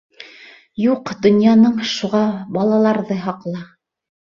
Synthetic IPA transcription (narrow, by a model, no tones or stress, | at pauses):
juqd̪ŏnjɑnɤɴʃuʁɑbɑlˠɑlˠɑɾðɤɦɑqlˠɑ